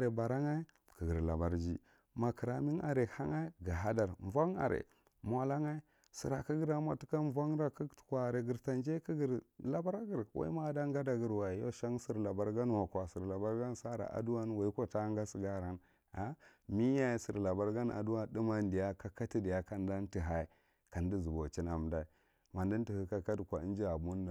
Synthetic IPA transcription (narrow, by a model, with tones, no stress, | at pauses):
ɾe˨ba˨ɾa˦ŋa˦i˦ | kə˨ɡə˨ɾla̰˨ba˨ɾd͡ʒḭ˦ | ma˨ki˨ɾa˨mi˦na̰˨ɾe˨ha˦ŋa˦i˦ɡa˨ɦa˦da˨ɾɱ˨va˦ŋa̰˨ɾḛ˨ | mʷ˨a˨la˦ŋa˦i˦ | si˨ɾa˨ki˦ɡi˦ɾa˦ma˨ti˦ka˦va˦ŋɾa˦ki˦tu̥˨kʷa˨ɾe˨ɡi˨ɾta˨nd͡ʒe˦ki˦ɡi˨ɾla˨ba˦ɾa˦ɡi˨ɾwʔa̰˦ḭ˦ma˦da˦ŋɡa˦da˨ɡə˨ɾwa˨jo̰˦ʃa˦ŋsi˨ɾla˨ba˦ɾɡa˦n˦wa˨kʷa˨si˨ɾla˨ba˦ɾɡa˦n˦sa˦ɾa̰˨ʔa̰˨du˦wa˦nwa˨i˦ka˦ta˦ŋɡa˦si˨ɡa˦ɾa˦n | a˦mi˦ja˦i˦sḭ˨ɾla˨ba˦ɾɡa˦na̰˨du˦wa˦di˦ma˦ndi˨ja˦ka˦ka˦ti˦di˨ja˦ka˨n˦da˦nti˨ɦa˨i˨ | ka˨ndi˦zu˨bo˨t͡ʃi˦na˨m˨da˨i˨ | ma˨ndi˦nti˨hi˨ka˦ka˦dkʷa˨i˦nd͡ʒi˦a˨bu˦n˦da˨